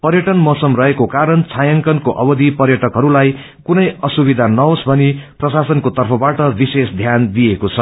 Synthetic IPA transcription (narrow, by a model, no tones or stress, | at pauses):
pʌrjʌʈʌnmʌsʌmrʌɦekokaɾʌnt͡sʰajʌŋkʌnkoʔʌbʌd̪ʱipʌrjʌʈʌkɦʌɾulaj | kunʌjʌsubid̪ʱanʌɦosbʱʌniprʌsasʌnkot̪ʌrpʰʌbaʈʌbisesd̪ʱjand̪ijekot͡sʰʌ